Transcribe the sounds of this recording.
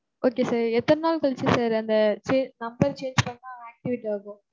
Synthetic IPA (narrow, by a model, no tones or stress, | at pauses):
oːkeːsaːɾɛt̪ːɐnɯnaːlkɐɭt͡ʃːɯsaːɾɐnd̪ɐt͡ʃeːnɐmbɐɾt͡ʃeːnd͡ʒpɐɳːãːaːk̚ʈɪʋɪʈːiɐkõ